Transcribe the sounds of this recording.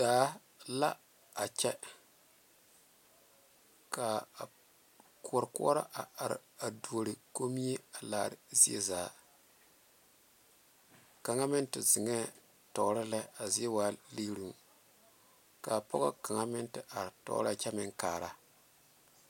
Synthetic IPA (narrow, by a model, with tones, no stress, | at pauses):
daː˨˦ | la˦ | a˨t͡ʃɛ˦ | ka˨ | kʰu˦o˦˨ɾku˦ɔ˦ɾa̰˦ʔa˨a˨ɾɪ̰˨a˨du˨ɾɨ˨ko˦mi˦e˦a˨laː˨ɾɪ˨zi˦ḛ˦zaː˨ | ka˨ŋa˦mɪ˦ntɪ˨zɪ˨ŋɛ˦ | tɔ˨˦ɾɪ˦lɛ˦a˨zi˦e˦waː˨˦li˦ɾu˨ | ka˨pɔ̰˦ɣɔ˦ka˨ŋa˦mɪ˦ntɪ˦˨ʔa˨ɾtɔ̰˨˦ɾa˨t͡ʃɛ˦mɪ˦ŋkaː˨ɾa˦